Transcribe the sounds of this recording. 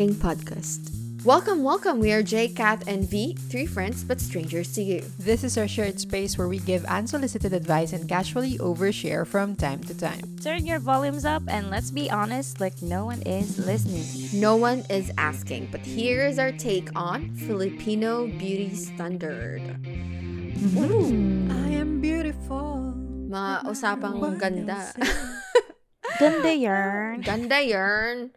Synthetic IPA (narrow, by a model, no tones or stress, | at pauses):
ɪ̃ŋpʰɑd̚kʰæ̰st | wɛlˠkə̃mwɛlˠkə̃mwiəɹd͡ʒeɪkæθɛ̃nviθɹiːfɹɛ̃ndsbʌt̪stɹẽɪ̃nd͡ʒə˞stʰɨjʉ | ðɪsɨzaʃɔɹt̪speɪswɛɹwiɡɪvə̰̃nsəlɪsɨtɨdɐdvaɪsɛ̃nkæʒuəlˠiʔoʊvəɹʃɛ̰ɹfɹɔ̃mtʰãɪ̃mtʰutʰã̰ɪ̃mtʰɜ̃˞njə˞vɑlˠjũmzʌpɨ̃nlɛtsbiʔɑnɨstlaɪk̚noʊwʌ̃nɪzlɪsnɪ̃ŋ | noʊwʌ̃nɪzæ̰skɪ̰̃ŋb̥ʌt̚hiɹɪza˞tʰeɪkʰn̩fɪlˠɨpʰĩnoʊbjʉɾistæ̃ndə˞d̥ | ʔaɪɨ̃mbjʉɾɪfʊlˠmaʔʊsaːpãŋɡʌ̃nd̪a | ɡ̥ʌ̃ndajɜ˞nɡ̥ʌ̃nd̪ajɜ˞n